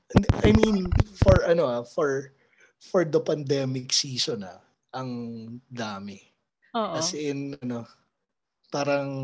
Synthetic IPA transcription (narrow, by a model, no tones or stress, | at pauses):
ʔɪnd̪ʔajmĩnfɔɹʔɐno̞ʔafɔɹ | fɔɹd̪ɐpɐnd̪ɛːmɪksiːsonɐ̰ | ʔɐŋd̪aːmɪ | oʔkɐsɛʔɪnʔɐno̞ | paːɾɐŋ